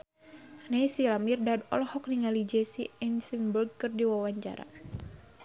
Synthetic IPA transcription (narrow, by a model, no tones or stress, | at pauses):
nejsilamirdad̪ɔ̰lɔhɔk̚niŋalid͡ʒɛsiɛnsimburɡ̚kɨrdiwawaɲt͡ʃa̰ɾa̰